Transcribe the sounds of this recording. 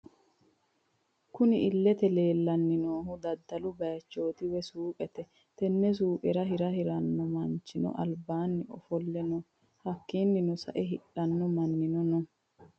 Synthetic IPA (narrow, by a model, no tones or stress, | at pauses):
kʊnɪɪlːɛt̪ɛle̞ːlːɐnːɪnoːɦʊd̪ɐd̪ːɐlʊbɐjɐt͡ʃːo̞ːt̪ɪwɛsuːpʼɛt̪ɛ | t̪ɛnːɛs̬uːpʼɛɾɐɦɪɾɐɪɾɐnːɔmɐnt͡ʃːɪnɔ̰ʔɐlbaːnːɪɔ̰fɔlːɛnɔ | hɐkːiːnːɪnʊsɐ̰ʔɛɦɪɗɐnːɔmɐnːɪnɔnɔ